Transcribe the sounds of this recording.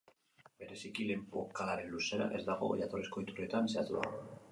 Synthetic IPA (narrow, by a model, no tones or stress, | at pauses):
be̞ɾe̞sikile̞mpokalaɾe̞nluse̞ɾa̰ʔe̞zd̪aɣ̞o̞̰ʝat̪o̞resko̞it̪ure̞t̪anse̞at̪ua̰